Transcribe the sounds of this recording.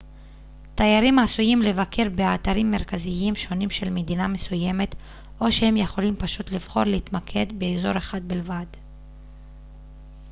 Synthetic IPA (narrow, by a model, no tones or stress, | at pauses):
t̪ajaʁimasujimle̞vakʰe̞ʁbe̞at̪aʁimːe̞ʁkaziimʃo̞nimʃe̞lme̞d̪iname̞suje̞me̞t̪ | ʔo̞ʃehe̞mje̞χo̞limpaʃut̪liv̥χo̞̰ʁleit̪makʰe̞d̪be̞ːzo̞ʁeχad̪̚bilvad